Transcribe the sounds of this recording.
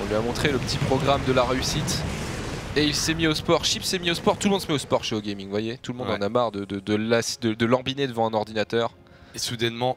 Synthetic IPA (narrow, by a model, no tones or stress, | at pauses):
ɔ̃lɥyamɔ̃t̪χeləpət̪ʰipχɔɡʁamd̪əlaʁeysit̪ | eilsɛmiospɔʁʃipsɛmiospɔʁt̪ulmɔ̃d̪səmɛospɔʁʃeoɡʲɛmĩŋvwajet̪ulmɔ̃dd̪ɑ̃namaʁd̪əd̪əd̪əlasd̪əd̪əlɑ̃bined̪əvɑ̃ɛ̃nɔʁd̪inat̪œːʁ | esud̪ɛnmɑ̃